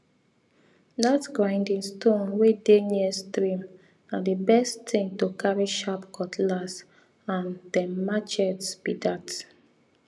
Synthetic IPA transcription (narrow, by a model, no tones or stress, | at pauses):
datɡɹãɪ̃ndĩŋstʰõnwedeniəstɹĩm | adibɛsttɪ̃ŋtokʰaɹiʃapkʰɔtʰlas | ãndɛmat͡ʃɛtspidat